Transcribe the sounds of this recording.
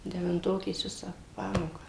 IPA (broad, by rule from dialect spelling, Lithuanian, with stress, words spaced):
dʲɛʋʲɪnˈtoːkʲeːs ˈʋʲɪsɑː ˈpɑːmoːkɑː